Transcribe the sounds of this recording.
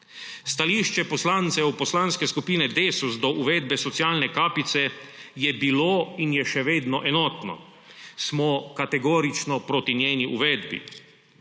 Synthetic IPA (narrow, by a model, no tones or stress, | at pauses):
st̪aliːʃt͡ʃɛpɔslaːnt̪sɛwpɔslaːnskɛskupiːnɛd̪eːsuzd̪ɔʔuʋɛːd̪bɛsɔt̪sijaːlnɛkaːpit̪sɛjɛbiloːinjɛʃɛʋeːd̪nɔʔɛnɔt̪nɔ̰ | smɔkat̪ɛɡoːɾit͡ʃnɔpɾoːt̪injeːniʔuʋɛd̪bḭ